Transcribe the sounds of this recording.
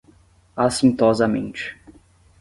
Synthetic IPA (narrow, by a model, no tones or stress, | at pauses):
asĩnt̪ɔzɐmḛ̃nt͡ʃɪ̥